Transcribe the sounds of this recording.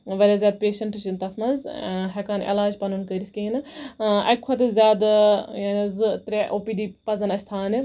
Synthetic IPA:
ʋɐɾʲaːzʲjaːd̪̚peːʃɐɳʈt͡ʃint̪ɐfmɐnzɦɛkaːnḛlaːd͡ʒpɐnunkɐɾʲisʲkʲiinɨɐ̰kʰɐt̪ɐzʲjaːd̪jaːnɐzɨt̪ɾʲeʔoːpiːɖiːpɐzɐnɐsʲt̪ʰaːni

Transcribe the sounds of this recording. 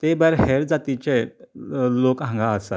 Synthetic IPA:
t̪ebaɾɦeɾd͡zat̪it͡ɕe | lokãŋɡʱaəsa

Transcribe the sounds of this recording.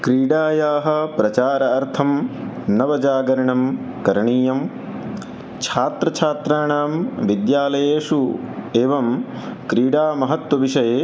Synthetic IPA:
kɾiːɽaːjaːɦɐ̆pɾɐt͡ʃaːɾɐɐɾt̪ʰɐm | nɐʋɐd͡ʒaːɡɐɾɐɳɐm | kɐɾɳiːjɐm | t͡ʃʰaːt̪ɾɐt͡ʃʰaːt̪ɾaːɳaːmʋid̪jaːlɐjeːʂu | eːʋɐm | kɾiːɖaːmɐɦɐt̪wɐʋiʂɐjeː

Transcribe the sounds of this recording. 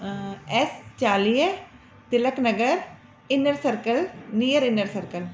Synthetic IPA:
ɛst͡ʃaːliːə | t̪ɪləknəɡəɾ | t̪ɪnəɾsəɾkəlniːjəɾɪnəɾsəɾkəl

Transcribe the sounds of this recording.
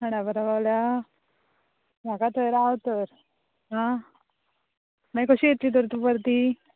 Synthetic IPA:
ɦəɽ̃abəɾaʋaʋlja | makat̪əjɾaʋt̪əɾ | ɦã | mãjkəɕiet̪ːit̪̬əɾt̪upəɾt̪i

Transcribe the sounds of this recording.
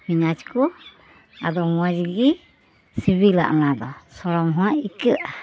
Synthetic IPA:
miɲat͡ʃkɔ | a̰d̪ɔmuad͡ʒɡi | siβila̰ʔnad̪ɔsɔɾɔmɦaaikɛʔa

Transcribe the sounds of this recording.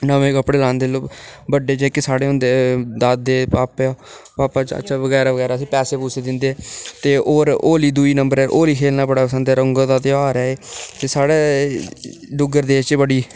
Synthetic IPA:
nəʋẽːkəpɽeːlãːnd̪eːloːbəɖːeːd͡ʒeːkesaːɽeːɦʊ̃nd̪eːd̪aːd̪eːpaːpaː | paːpaːt͡ʃə̰ːʃʰaːʋəɡɛːɾaːʋəɡɛːɾaːsĩːpɛːseːpusʰeːd̪ɪnd̪eːt̪eːoːɾoːliːd̪uiːnəmbəɾɛːʔoːɾiːkʰeːlnaːbəɽaːpəsə̃nd̪ɛːɾəŋɡõːt̪aːt̪eːaːɾɛːeːt̪eːsaːɽeː | ɖʊɡəɾd̪eːt͡ʃbəɽiː

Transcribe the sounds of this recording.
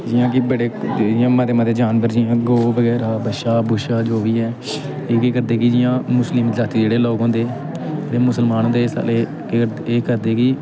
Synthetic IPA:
d͡ʒɪjãːkɪbəɽeːd͡ʒɪjãːmət̪eːmət̪eːd͡ʒaːnbəɾd͡ʒɪjãːɡoːbəɡɛːɾaːbəʃaːbʊʃaːd͡ʒoːʋiːɛː | eːkeːkəɾd̪eːkɪd͡ʒɪjãːmʊslɪmd͡ʒaːt̪iːd͡ʒeːɽeːloːkõːnd̪eː | t̪eːmʊsəlmaːnõːd̪eːsa̰ːleː | ə | eːkəɾd̪eːkɪ

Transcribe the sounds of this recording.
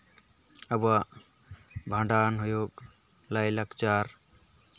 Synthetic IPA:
əba | bʱãɳɖanɦujok̚ | lajlakt͡ʃaɾ

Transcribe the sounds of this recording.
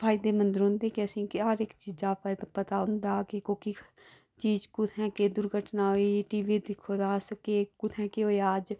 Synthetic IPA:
pʰaːɪd̪emə̃nd̪ɪɾõːnd̪ekeəsĩkiaːɾeːkt͡ʃiːd͡ʒaːpt̪pət̪aʊ̃nd̪aːkekoki | t͡ʃiːd͡ʒkʊt̪ʰɦɛ̃ked̪ʊɾɡʱəʈnaːɦoiʈiːʋid̪ɪkʰːod̪ãːskekʊt̪ʰɛ̃ːkeoiaːd͡ʒ

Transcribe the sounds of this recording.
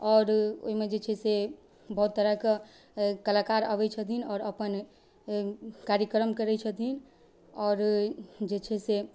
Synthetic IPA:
ɔːɾo̰ɦimed͡ʒet͡ʃʰɛse | bəɦut̪ːəɾəkə | kəlakaɾə̰bɛt͡ʃʰət̪inɔːɾəpən | kaɾjəkɾəmkəɾɛt͡ʃʰət̪in | ɔːɾd͡ʒet͡ʃʰɛse

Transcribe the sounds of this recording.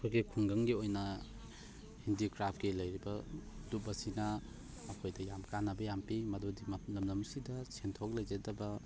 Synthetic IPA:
ɐkʰojɡikʰuŋɡɐŋɡiojnɐ | hindikɾapʰɡilɐjɾibɐdup̚bɐsinɐ | ɐkʰojdɐjamkanːɐbɐjampimɐdodimɐlɐmlɐmsidɐsʰentʰok̚lɐjd͡ʒedɐbɐ

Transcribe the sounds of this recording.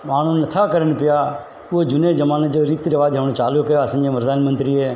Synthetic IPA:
maːɳ̤uːnət̪ʰaːkəɾənpɪjaː | uɦod͡ʒʊneːd͡ʒəmaːned͡ʒoːɾit̪ɾəʋaːd͡ʒɦəʋɽẽt͡ʃaːljoːkəjoasə̃nd͡ʒẽːpɾəd̪ʱaːnmənt̪ɾiːeː

